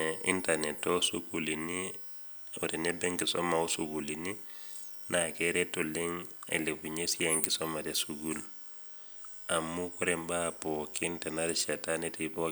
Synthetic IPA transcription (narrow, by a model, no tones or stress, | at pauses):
ḭntanetːosṵkulini | otenebeŋkiso̰mausukulini | nakeɾetoliŋḛlebuɲesijeŋkisomatesuɡul | amːukuɾembapɔkintɛnaɾit͡ʃatanetipo